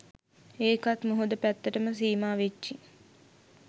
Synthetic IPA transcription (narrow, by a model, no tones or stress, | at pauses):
eːkat̪muɦud̪əpæt̪ːəʈəməs̬iːmaːʋet͡ʃːi